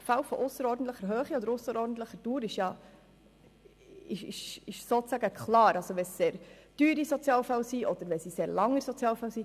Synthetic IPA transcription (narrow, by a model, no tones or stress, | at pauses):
fawfɔʔʊsəɾɔːdən̩t̪ləχəɾɦøːχiɔd̪əɾʊsəɾɔːɾdn̩t̪ləχəd̥uːɾɪʃjɑ | ɪʃɪ̰ʃɪʃsoːt͡sæɡəkʰχlɑːɾʔɑlsoʋɛsseːɾd̥yːɾisɔt͡sjɑːlfawsiʔɔd̪əɾʋɛsiseːɾlɑŋːəɾsɔt͡sjɑːlfawsi